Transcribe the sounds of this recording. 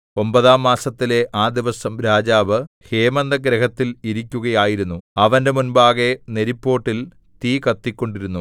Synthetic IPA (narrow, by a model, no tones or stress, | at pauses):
o̞mbɐðaːmːaːsɐt̪ːile̞ʔaːd̪iʋɐsɐmɾaːd͡ʑaːʋɨ | he̞ːmɐnd̪ɐɡɾɐɦɐt̪ːiliɾikʲːuɣɐjaːjiɾunːuɐʋɐnde̞munbaːɣe̞neɾipːo̞ːʈːil | t̪iːkɐt̪ːikʲːo̞ɳɖiɾunːu